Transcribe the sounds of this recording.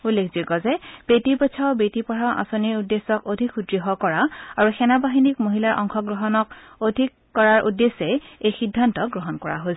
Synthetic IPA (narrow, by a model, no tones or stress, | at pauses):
ulːekʰzikɔzɛb̥etipɔt͡ʃʰaobetipɔɹaʔa̰soniɹudːesɔkodʱikʰudɹiɦɔkɔɹaaɹuxɛnabaɦinikmoɦilaɹʔɔ̰ŋxɔɡɹɔɦɔnɔk | odʱikːɔɹaɹʔṵdːesɛejxidʱːantɔɡɹoɦɔnkɔɹa̰ɦosɛ